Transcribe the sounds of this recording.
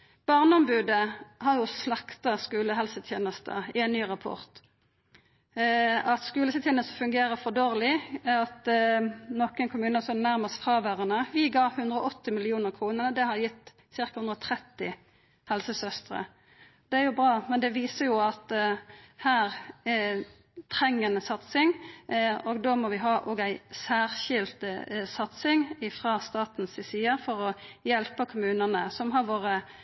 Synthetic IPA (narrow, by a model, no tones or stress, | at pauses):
b̥ɑʁnəɔmbʉːd̪əhɑʁjʊslɑkt̪ɑskʉːləɦɛlsət̪ʰjeːnəst̪ə̰ɪɛnnyːʁɑpʰɔ̰ʁt̪ | ɑt̪skʉːləsət̪jeːnəst̪əfʉŋɡeːɾəfɔd̪oːʁlɪɑt̪ | nɔkənkʰʊmʉːnəsɔnnæʁməsfʁɑːʋæːʁənəʋɪɡɑːʋhʉnd̪ʁəɔʔɔt̪ːɪmɪlɪuːnəʁkʰʁuːnənəd̪ɛhɑʁjɪt̪ː | sɪʁkɑhʉnd̪ɾɔt̪ʰɾɛt̪ːɪ | hɛlsəsœst̪ʁə̰ | d̪ɛæɾjʊbʁɑːmɛnd̪ɛʋiːsəjʊɑt̪ | hæːʁ | t̪ʰɾɛŋːənəsɑt̪sɪŋ | ɔɡd̪oːmɔʋɪɦɑːʔoːɡæɪsæːʁçɪlt̪sɑt̪sɪŋɪfʁɑst̪ɑːt̪n̩sɪsiːəfɔʁɔjɛlpəkʰʊmʉːnənəsɔmɦɑɾʋoːʁə